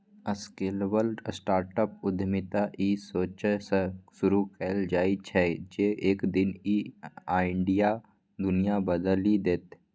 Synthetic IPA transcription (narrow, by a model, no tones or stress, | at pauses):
əskelʋəlɖsʈaːɾʈəp̚ʊd̪ʱmɪt̪aʔisoːt͡ʃəsəsʊɾukeːld͡ʒaːit͡ʃʰɛd͡ʒeːeːkd̪ɪniaːɪɳɖija | d̪ʊnijabəd̪əlid̪eːt̪